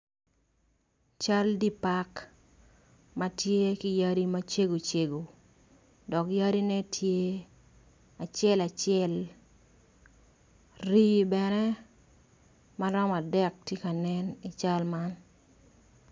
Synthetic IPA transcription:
t͡ʃa˦ldi˦pa˦k | ma˦tje˦ki˦ja˦ɾi˦ma˦t͡ʃe˦ɡo˨t͡ʃe˨ɡo˨ | dɔ˨kja˦ɾi˦nɛ˦tʰje˦ | a˨t͡ʃɪɛ˦la˨t͡ʃɪɛ˦l | ri˦bɛ˨nɛ˦ | ma˦ɾɔ˦ma˨dɛ˦k̚tje˦ka˨nɛ˦ni˨t͡ʃa˦lma˦n

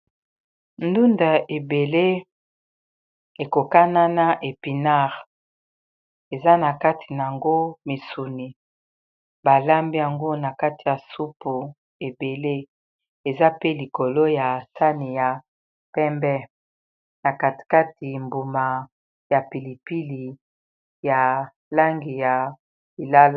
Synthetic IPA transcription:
ndu˦nda˨e˨be˨le˦ | e˨ko˨ka˦na˦na˦ʔe˨pi˨na˦˨ʁ | e˨za˦na˨ka˦tʰi˨na˨a˨ŋɡo˦mi˨su˨ni˨ | ba˨la˦mbi˦ja˨ŋɡo˦na˨ka˦ti˨ja˨su˦po˨ | e˨be˨le˦ | e˨za˦pe˦li˨ko˨lo˦ja˨sa˦ni˨ja˨ | pɛ˦mbɛ˦ | na˨ka˨ti̥˨ka˦ti˨mbu˨ma˨ | ja˨pi˨li˨pi˦li˨ | ja˨ | la˦ŋɡi˨ja˨ | li˨la˦l

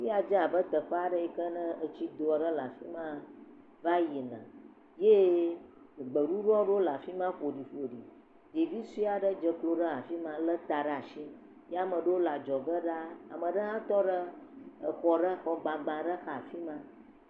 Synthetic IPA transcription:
fi˦a˨d͡ʒə˦a˨bə˦t̪ə˨ɸə˦a˨ɖə˦i˨kə˦nə̃˦ə˨t͡ɕi˦d̪o˨a˨ɖə˦la˨fi˦mã˦ | va˦ji˨nã̰˨ | je˦˨ | ɡ͡bə˨ɖu˦ɖɔ˦ɖo˦la˨fi˦mã˦ɸo˨ɖi˨ɸlo˨ɖi˨ | di˨vi˦su˦i˦a˨ɖə˦d͡ʒə˨klo˨ɖə˦a˨fi˦mã˦lə˦t̪a˨ɖa˨ʃi˦ | ja˦mə̃˨ɖə˦wo˦la˨d͡ʒɔ˨ɡə˦ɖa˦a̰˨mə̃˨ɖə˦ɦã˦t̪ɔ˦ɖə˦ə˨xɔ˨ɖə˦xɔ˨ɡ͡bã˨ɡ͡bã˨ɖə˦xa˨fi˦mã˦

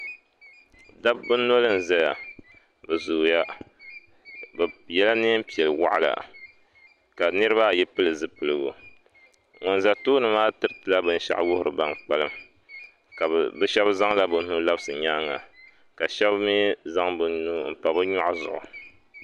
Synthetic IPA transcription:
da˦b̚bɨ˦nːo˦lɨ˦n̩˨za˦ja̰˨ | bɨ˨zu˨ja˦ | bjɛ˦la˦ne˦m̩˦pi˨ɛ˨lɨ˨wa̰˦ʔa˦la̰˨ | ka˨nɨ˦ɾɨ˦ba˦˨jɛ˦pɨ˦lɨ˨zɨ˦pɨ˨lɨ˨ɡʊ̰˨ | ŋo˨nza˨tuː˦nɨ˨maː˦tɨ˦ɾɨ˦tɨ˨la˦bɨ˦n̩˦ʃa̰˦ʔwʊ˦hʊ˨ɾɨ̰˨ba˦ŋk͡pa˦lɨ˦m | ka˨bɨ˦ʃɛ˦bza˦ŋla˦bɨ˨n˦nu˦la˦bɨ˦sɨ˨ɲaː˦ŋa̰˨ | ka˨ʃɛ˦bmi˦za˦ŋbɨ˦nnu˦m̩˨pa˨bɨ˦ɲɔ˦ʔzʊ˨ʔʊ̰˨

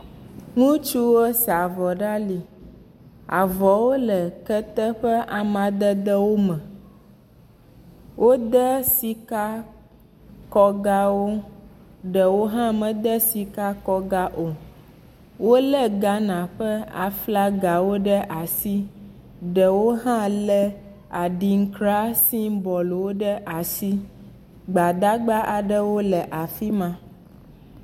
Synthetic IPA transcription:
ŋũ˦t͡ʃu˦wo˦sa˨vɔ˨ɖa˦li˨ | a˨vɔ˨wo˦lə˨kə˦t̪ə˦ɸə˦ʔa˨mã˨d̪ə˦d̪ə˦wo˦mə̃˨ | wʔo˦d̪ə˦si˦ka˦ | kɔ˦ɡa˦wo˦ | ɖə˨wo˦ɦã˦mə̃˨d̪ə˦si˨ka˦kɔ˦ɡa˦ʔo˨ | wo˦lɛ˦ɡa˦nã˨ɸɛ˦a̰˨fla˦ɡa˨wo˦ɖɛ˦ʔa˨si˦ | ɖɛ˨wo˦ɦã˦lɛ˦ | a˨ɖi˨ŋ̩˦kɾa˦si˦bɔ˨lo˨wo˦ɖə˦ʔa˨si˦ | ɡ͡ba˨d̪a˦ɡ͡ba˦ʔa˨ɖə˦wo˦lɛ˨ʔa˨fi˦mã˦

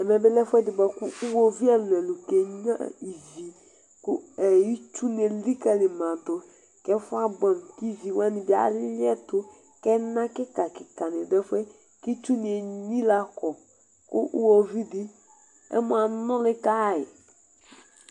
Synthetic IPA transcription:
ɛ˨mɛ˨bɪ˦lɛ˦fɛ˦dɪ˨ba˨kʊ˦ʊ˦wo˦vi˦a˦lɛ˨lʊ˨kɛ˨ɲã̰˦i˨zi˨ | kʊ˦ɛ˨ji˦t͡ʃu˦n˨e˨li˦ka˨lɪ˨mã˨tʊ˨ | kɛ˦fʊ˦a˦ba˨m˨ki˦zi˨wa˦nɪ˨bɪ˨a̰˨˦lɪ˦lɪ˦ɛ˦tʊ˦ | kɛ˦nã˦kɪ˦ka˨kɪ˨ka˨nɪ˨dɛ˦fwɛ˦ | ki˦t͡ʃu˦nɪ˨ɛ˨ɲĩ˦la˨kɔ˨ | kʊ̰˦ʔu˦wo˦vi˦dɪ˦ | ɛ̰˦mʊ̃˨a˨nʊ̃˦lɪ˦ka˦˨jɪ˨

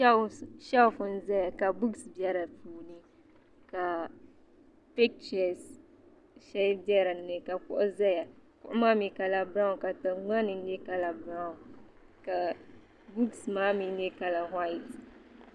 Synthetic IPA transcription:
ʃa˦fʊ˨n̩˦zɛ˦ja˨ka˨bu˦ɡsbɛ˦ɾa˨puː˨nɨ˦ | ka˨ | pɛ˦k̚t͡ʃɛ˨s | ʃɛ˦bjɛ˦ɾa˨nːɨ˨ka˨kʊ̰˦ʔʊ˦zɛ˦ja˨kʊ̰˦ʔʊ˦maː˦mi˨ka˨la˨ba˦ŋ˨ka˨tɨ˨ŋ͡ma˦nɨ˨n̩˦jɛ˦ka˦la˨bɾa˦ʊ˨ | ka˨ | bu˦ɡsmaː˦mi˨n˦jɛ˦ka˨la˨ɦa˦i˨t

